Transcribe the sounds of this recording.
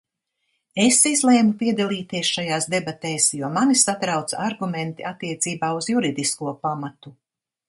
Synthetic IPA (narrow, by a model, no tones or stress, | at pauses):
esizlˠɛːmupiɛd̪alˠiːt̪iɛsʃajaːsd̪ebat̪ɛːsjuɔmanisat̪ɾawt̪sa̰aɾɡumɛnt̪iat̪ːiɛt̪siːbaːuzjuɾid̪iskuɔpamat̪u